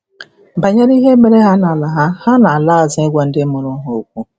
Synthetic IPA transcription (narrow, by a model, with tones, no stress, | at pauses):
ba˨ɲa˦ɾi˦ɦe˦me˨ɾe˦ɦa˦na˨la˨ɦa˦ha˦na˨la˦a˨zɪ˦e˦ɡʷa˦n̩˦dɪ˦mu˨ɾʊ˦ɦo˨o˨kʷu˦